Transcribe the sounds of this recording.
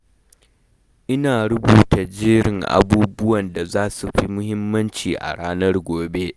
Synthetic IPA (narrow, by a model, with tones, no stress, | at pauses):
ʔɪ˦naː˨ɽʊ˦buː˨ta˨d͡ʒiː˦ɽɪ˨ŋʔa̰˦˨buː˦bʊ˦wɐ˨nda˨zaː˦su˨ɸi˦mʊ˦hɪ˦mːɐ˦nt͡ʃiː˨ʔa̰˨ɽaː˦nɐ˦rɡʷoː˨be˦ʔ